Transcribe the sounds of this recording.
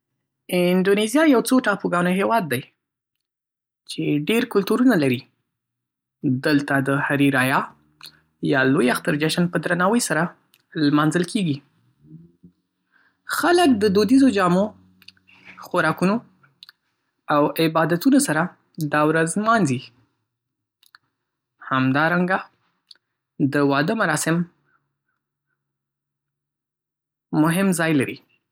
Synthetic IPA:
ɪnd̪onezjɑjawt͡soʈɑpoɡɑnoɦewɑd̪ːaj | t͡ʃeɖeɾkʊlt̪uɾunalaɾi | d̪əlt̪ad̪əhaɾiɾɑjɑ | jɑlojaxt̪aɾd͡ʒaʃanpəd̪ɾanɑwəjsaɾa | lmɑnzəlkeɡi | xalək̚d̪əd̪od̪izod͡ʒɑmo | xaɾɑkuno | awɪbɑd̪at̪unosaɾa | d̪awɾazmɑnzi | hamd̪ɑɾaŋɡa | d̪əwɑd̪əmaɾɑsɪm | mʊɦɪmzɑjlaɾḭ

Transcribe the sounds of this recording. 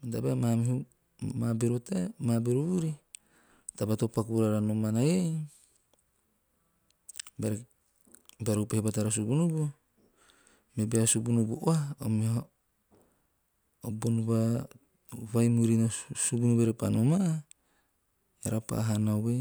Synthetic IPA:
matabemamihu | mabeɾutamabeɾuβuɾi | tabatopakuɾaɾanomanaje | beɾ | beɾowpehebataɾas̬ubunubu | mebeasubunubuʔoaomih | obonuβa | βajmuɾinosubunubeɾepanoma | eɾapa̰ɦanaowe

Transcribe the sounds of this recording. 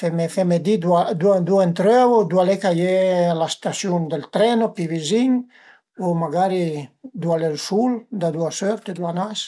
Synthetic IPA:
fɛmefɛmed̪id̪uad̪uad̪uent̪ɾøvod̪ualekajelast̪asjund̪elt̪ɾɛnopiviziɲ | omaɡaɾid̪ualelsuld̪ad̪uasøɾt̪ed̪uanas

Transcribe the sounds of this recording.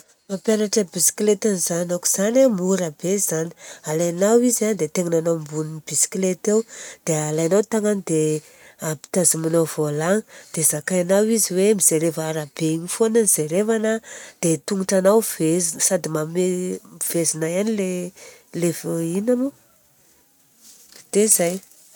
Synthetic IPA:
mapʲjanaʈ͡ʂəbisi̥klet̪anizanaku̥z̥anamuɾabezani̥alajnawizad̪et̪eŋananambunibisi̥klet̪ewd̪̥ealajnawt̪aŋanid̪e | api̥t̪azimanawvolaŋd̪̥ezakajanawiziwemizeɾevaːɾab̥eiɲifonəniz̥eɾevanəd̪̥et̪uŋuʈ͡ʂanawvezsad̪imamev̥ezinajanilelevoinamu | d̪̥ezaj

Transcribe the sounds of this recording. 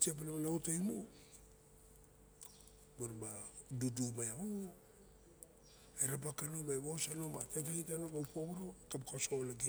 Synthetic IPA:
tiap̬alamanautajmu | boɾma | dudumajao | eɾap̬akanomajβosano̞matajkaitanoɡawpoɾokapokasolaɡi

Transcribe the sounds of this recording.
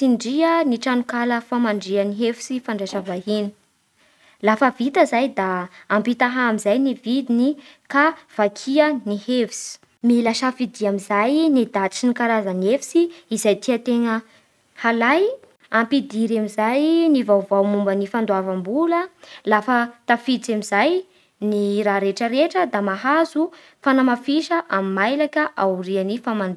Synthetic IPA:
iɳɖ͡ʐiəniʈ͡ʂanukaləfamaɳɖ͡ʐiəniɦefi̥sifaɳɖ͡ʐeʃəvaɦini̥ | lafəvit̪əzajd̪aːmpit̪aɦaamizajnivid̪ini | kav̥akʰiənihevisi̥ | milaʃafid̪iamizajnid̪at͡sinikaɾazanefi̥siizajt̪iat̪eŋə | halaj | ampid̪iɾamizajnivawvawmumbənifand̪oavambuləlafət̪afit͡samizaj | niɾaɾeʈ͡ʂəɾeʈ͡ʂəd̪amaɦazu | fanamafiʃəʔamimajlakʲəʔauɾianifamand̪

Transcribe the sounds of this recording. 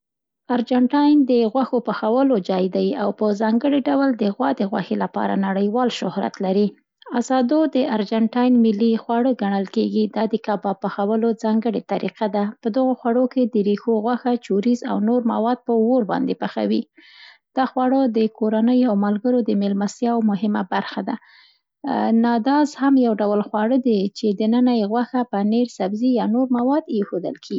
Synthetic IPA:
aɾd͡ʒaɳʈɑjnd̪əɣwaxopaxawəlod͡ʒɑjd̪ajiawpəzɑŋɡəɽeɖawəld̪əɣwɑd̪əɣwa̰xelapɑ̰ɾa̰naɽəjwɑlʃʊhɾa̰t̪laɾi | azɑd̪od̪əaɾd͡ʒaɳʈɑjnmɪlːixwaɽəɡaɳəlkeɡid̪ɑd̪əkɑbɑpaxawəlozɑŋɡəɽet̪aɾḭqad̪apəd̪əɣoxwaɽoked̪əɾixoɣwaxat͡ʃoɾiza̰wnoɾma̰wɑd̪̚pəwoɾbɑ̰nd̪epaxa̰wi | d̪̥ɑxwɑɽəd̪əkoɾanəjoawmalɡəɾod̪əmelmasjɑwmʊɦɪma̰baɾxad̪a | nɑd̪ɑzhamjawɖawlxwɑɽəd̪et͡ʃed̪ənənajɣwaxapəneɾsabzijɑnoɾmawɑd̪jexod̪ə̰lkʰeɡi

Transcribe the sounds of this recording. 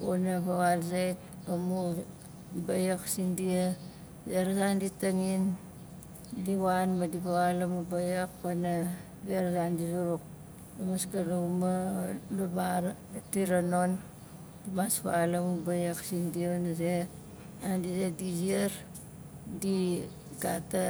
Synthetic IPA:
onapaβalzajt̚amu | bajaksindia | zeɾazanditaŋin | diwanmadipaβalamubajak̚pana | beɾazandizuɾuk̚ | amaskanaumalubaɾ | tiɾanon | dimaspaalamubajaksindionaze | andizedizieɾ | di | ɡata

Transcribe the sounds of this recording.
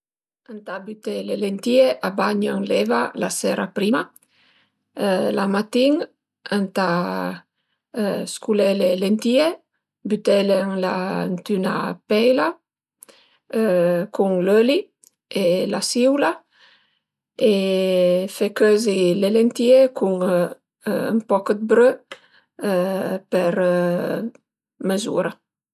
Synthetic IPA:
ant̪abyt̪elelent̪ieʔabaɲaŋlɛvalasɛɾapɾima | lamat̪iŋ | ant̪a | skulelelent̪ie | byt̪eleŋlant̪yna̰pɛjla | kuŋløli | elasiwla | e | fekøzilelent̪iekuŋː | mpɔkəd̪̚bɾø | pɛɾ | məzṵɾa

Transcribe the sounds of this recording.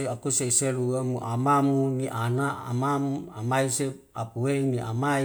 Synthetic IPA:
eakuseiseluamuʔamamuniʔana̰ːmamua̰maise | apuweniʔa̰mai

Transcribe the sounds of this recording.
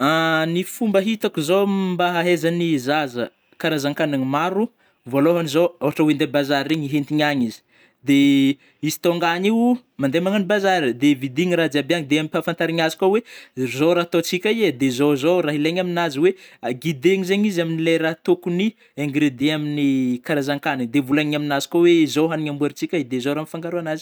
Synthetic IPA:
anifumbəɦit̪akuzombaɦaɦezanizazə | kaɾazaŋkaneŋimaɾu | voloɦanizoawaʈ͡ʂəwend̪ebazaɾeɲiɦent̪iɲaɲizi̥ | d̪e | izi̥t̪oŋɡaɲiw | mand̪emaŋanibazaɾid̪evid̪iɲirad͡zabeaŋd̪eamipafant̪aɾiɲazi̥kʲawezowɾat̪ot͡sikʲaiad̪ezozowraɦileɲaminaziweaɡid̪eɲizeɲizaminilejɾat̪okuni | eŋɡɾed̪eaminikaɾazaŋkanid̪evulaŋɲaminazi̥koweizowɦaniɲambueɾit͡sikʲaid̪ezoɾamifaŋɡaɾuanazi̥

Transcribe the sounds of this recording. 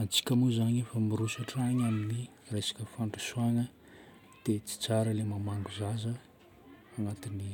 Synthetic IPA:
ant͡si̥kʲəmuzaɲefəmiɾusaʈ͡ʂaɲamini | resḁkʲəfaɳʈ͡ʂu̥suanə | d̪̥et͡si̥t͡saɾəlemamaŋɡuzazə | aŋat̪ini

